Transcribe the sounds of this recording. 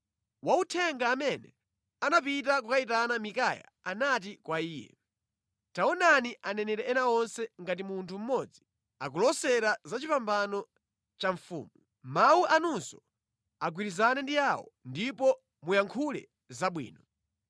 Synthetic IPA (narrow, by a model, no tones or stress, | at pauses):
wautʰɛŋɡaːmɛnɛ | anap̬itak̬ukait̬anamikaja̰ | anat̬ikwaiːjɛ̰ | taɔnaniʔanɛnɛɾɛɛnaɔnsɛŋɡat̬imuntʰum̩mɔd͡zi | ak̬ulɔsɛɾazat͡ʃipambanɔ | t͡ʃaɱfṵːmu | mawuʔanunsɔ | aɡwiɾizanɛndijawɔ̰ndipɔ | mujaŋkʰulɛ̰ | zaɓwḭːnɔ